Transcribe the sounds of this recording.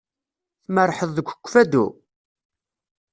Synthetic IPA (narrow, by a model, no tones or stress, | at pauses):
θməɾˤħəðˤðəɡʷə̥kʷːfæd̪ṵ